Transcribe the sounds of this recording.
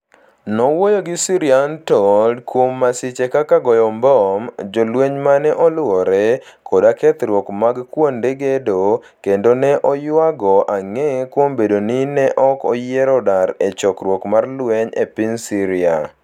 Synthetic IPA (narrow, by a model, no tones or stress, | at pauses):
nɔwojoɡɪsiɾiantɔdkwomːasɪt͡ʃekakaɡɔjɔmbɔmd͡ʒɔlweɲmanɛʔɔlʊwɔɾɛkʰɔdakɛt̪ɾwɔkmaɡkwondeɡedo | kendonɛʔɔjwaɡɔʔaŋɛkwombedonɪnɛʔɔkɔjɛɾɔdaɾet͡ʃɔkɾwɔkmarlwɛɲḛpɪnsiɾia̰